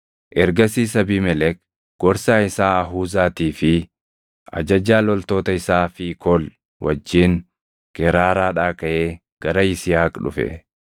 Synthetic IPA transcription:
ʔɛɾɡɐsiːsɐbiːmɛlɛk̚ | ɡ̥ɔɾsaːɪsaːɐɦuːzaːt̪iːfɪ | ʔɐ̰d͡ʒɐd͡ʒaːlɔlt̪o̞ːt̪ɐɪsaːfɪkʰɔl | wɐd͡ʒːiːŋ | ɡ̥ɛɾaːɾaːᶑaːkɐʔeː | ɡ̥ɐɾɐɪsɪjaːkʼᶑʊ̰fɛ̰

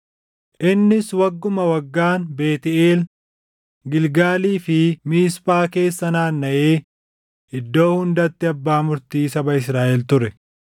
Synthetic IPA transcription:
ʔɪnːɪswɐɡːʊmɐwɐɡːaːnbe̞ːt̪ɪeːl | ɡɪlɡaːliːfɪmiːspaːke̞ːsːɐnaːnːɐʔeː | ʔɪd̪ːo̞ːhʊnd̪ɐt̪ːɪɐbːaːmʊɾt̪iːsɐbɐɪsɾaːʔɛlt̪ʊɾɛ

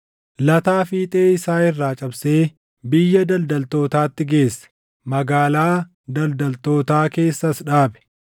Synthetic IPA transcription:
lɐt̪aːfiːt̪ʼe̞ːɪsaːɪrːaːt͡ʃʼɐbse̞ː | bɪjːɐd̪ɐld̪ɐlt̪o̞ːt̪aːt̪ːɪɡe̞ːsːɐ̥ | mɐɡaːlaː | d̪ɐld̪ɐlt̪o̞ːt̪aːke̞ːsːɐsᶑaːbɛ̥

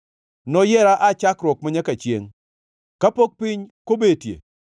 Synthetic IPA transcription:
nɔjɛɾaʔat͡ʃakɾɔk̚maɲɛkat͡ʃjḛŋ | kapok̚pɪɲkobetjḛ

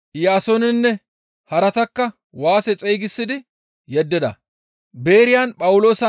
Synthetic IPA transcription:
jaːsoːnɪnːɛ | hɐɾɐt̪ɐkːɐ | waːsɛt͡sʼɛjɡɪsːɪd̪ɪ | jɛd̪ːɪd̪ɐ̰ | be̞ːɾɪjaːnpʼɐwʊlo̞ːsɐ

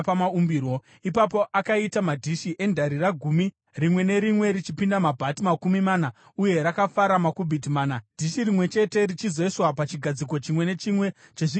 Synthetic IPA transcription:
pamaumbiːro̞ | ipapo̞ʔakaitamadʱiʃiʔe̞ndʱaɾiraɡʱumi | rimwe̞ne̞ɾimwe̞ɾit͡ʃipindamabʱatimakumimaːna | uje̞ɾakafaɾamakubʱidimaːnad̥ʱiʃirimwe̞t͡ʃe̞te̞rit͡ʃizeiswapat͡ʃiɡʱad͡ziko̞t͡ʃimwe̞ne̞t͡ʃimwe̞ | t͡ʃeʐi

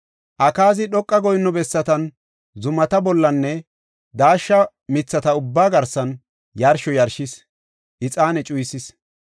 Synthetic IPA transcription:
ʔɐkaːzɪɗɔkʼːɐɡɔjnːɔbɛsːɐt̪ɐn | zʊmɐt̪ɐbɔlːɐnːɛ | d̪aːʃːɐ | mɪt͡sːɐt̪ɐʊbːaːɡɐɾsɐn | jɐɾʃɔjɐɾʃɪs | ʔɪt͡sʼaːnɛt͡ʃʼʊjsɪs

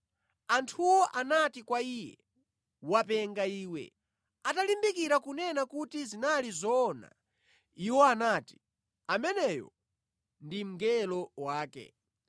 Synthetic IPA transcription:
antʰuwɔʔanatikwaijɛ̰ | wapɛŋɡaiːwɛ̰ | atalimbikiɾakunɛnakutizinalizɔːna̰ | iwɔanaːti̥ | amɛnɛjɔ̰ | ndim̩ɡɛlɔwaːkɛ̰

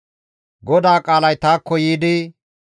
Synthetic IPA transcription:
ɡɔd̪aːkʼaːlɐjt̪aːkːɔjiːd̪ɪ

